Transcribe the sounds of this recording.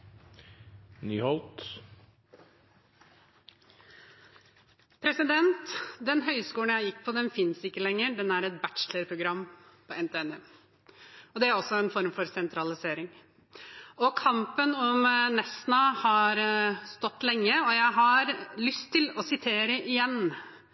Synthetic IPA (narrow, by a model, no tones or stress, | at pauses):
nyːhɔlt̪ | pʰɾɛsɪd̪ɛnt̪d̪ɛnɦœʏskuːlənjæɪjɪkːpʰɔd̪ɛnfɪnsɪkːəlɛŋːəɖɛnæɾɛt̪̚bæʈt͡ʃləɾpʰɾʊɡɾɑmːpʰɔʔɛnt̪ɛɛnɛ | ɔd̪ɛæɾɔsːɔɛnfɔɾmfɔɾsɛnt̪ʰɾɑlɪseːɾɪŋ | ɔkʰɑmpənɔmnɛsnɑhɑɾst̪ɔt̪ːlɛŋːəɔjæɪɦɑɾlʏst̪ʰːɪlɔsɪt̪ʰeːɾəʔɪjɛnː